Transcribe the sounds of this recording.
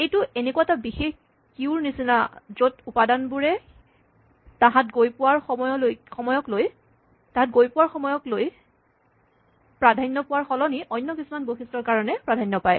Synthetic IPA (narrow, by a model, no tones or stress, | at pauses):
ejtʊʔenekwatabixex | kiuɹnisinazotupadanbuɹɛ | taɦatɡojpʊwaɹxɔmɔɔlojxɔmɔjɔkloj | taɦatɡojpʊwaɹxɔmɔjɔkloj | pɹadʱajnːɔpʊwaɹxɔlɔniʔɔjnːɔkisumanboxistɔɹkaɹɔnɛpɹadʱajnːɔpaj